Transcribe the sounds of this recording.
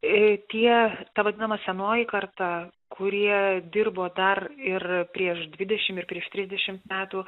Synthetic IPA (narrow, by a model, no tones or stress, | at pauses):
t̪ʲiɛt̪ɐʋɐd̪ʲɪnɐmɐsʲɛnoːjɪkɐrt̪ɐ | kʰʊɾʲiɛd̪ʲɪrboːd̪ɐrɪrpʲɾʲiɛʃd̪ʲʋʲɪd̪ʲɛʃʲɪmɪrpʲɾʲiɛʃt̪ʲɾʲɪzʲd̪ʲɛʃʲɪmt̪mʲæːt̪uː